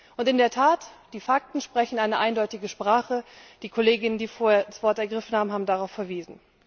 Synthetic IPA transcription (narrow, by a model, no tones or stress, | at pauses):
ʔʊntɪndeːɐtʰaːtd̥iːfak̚tn̩ʃpʁ̥ɛçn̩ʔaɪnəʔaɪndɔʏtɪɡəʃpʁ̥aːχəd̥iːkʰoleːɡɪnəndiːfoːɐeɐdasv̥ɔɐtɛɐɡʁɪfn̩haːbm̩ɦaːbm̩daʁaʊfɛɐviːzn̩